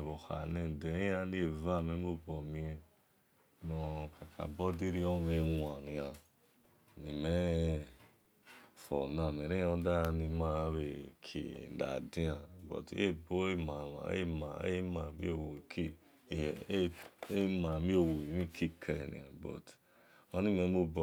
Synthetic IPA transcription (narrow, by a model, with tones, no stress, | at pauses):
βo˨ha̰˨ne˨de˨i˦a˧˦ni˦e˨va˦˨me˦m˦o˦bɔ˨mi˧ɛ˧ | nɔ˨ka˨ka̰˨bɔ˦de˦ɾi˦ɔ˦˨me˧wa˨nĩ˨a˨ | ni˨mɛ˦ | fɔ̰˨na˨m˨e˨ɾe˦˧˦da˦˧ni˨ma˦βe˨kʰḛ˨da̰˨di˦a˨bɔ̰˨te˦bo˦e˦ma˨a̰˨ḛ˦ma˨ḛ˦ma˨mḭ˦o˦˨wo˨ki˦˨˦ | e˦ma˨mi˦o˨wo˨i˨mi˦kʰi˦kʰe˨nḭ̃˨ã̰˨bɔ̰˨t | ma˦ni˦me˨˦mo˦b